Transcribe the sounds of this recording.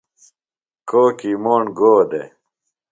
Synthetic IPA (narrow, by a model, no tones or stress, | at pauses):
koːkimoːɳɡoːd̪ḛ